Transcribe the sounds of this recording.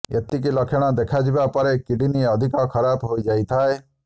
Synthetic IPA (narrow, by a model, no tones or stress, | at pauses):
ḛt̪ikilɔkʰeɽ̃ɔd̪ekʰad͡ʒibapɔɾekiɖiniɔd̪ʱikɔkʰɔɾabɦojd͡ʒajt̪ʰae